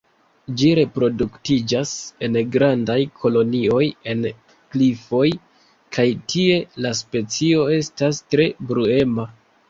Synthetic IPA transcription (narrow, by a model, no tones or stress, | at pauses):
d͡ʒiɾe̞pɾo̞duktid͡ʒase̞nɡɾandajkʰo̞lo̞nio̞je̞n | klifo̞j | kʰajtʰie̞laspe̞t͡sio̞e̞stastɾe̞bɾue̞ma